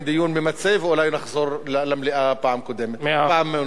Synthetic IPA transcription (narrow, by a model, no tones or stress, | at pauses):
d̪ijuːnbemat͡sevulajnaχzoɾllamliʔapaʕamkod̪emet̪paʕam